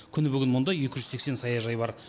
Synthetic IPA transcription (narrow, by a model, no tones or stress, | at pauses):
kʲʰʏnɪbʏɡʲɪnmʊnd̪ɑje̞kʲɪʒʏzse̞kse̞nsɑjɑʒɑjbɑɾ